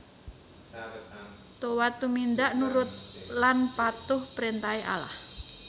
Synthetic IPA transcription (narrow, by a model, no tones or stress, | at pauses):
t̪owat̪ːumind̪aʔnuɾʊt̪̚lanpat̪ʊhpɾent̪aeʔa̰la̰h